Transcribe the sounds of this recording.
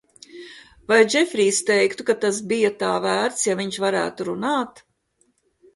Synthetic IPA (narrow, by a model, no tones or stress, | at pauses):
vajd͡ʒɛfʲɾiːst̪ɛjkt̪ukat̪as̬bijɐt̪aːvæːɾt̪sjaviɲʃvaɾæ̰ːt̪uɾunaːt̪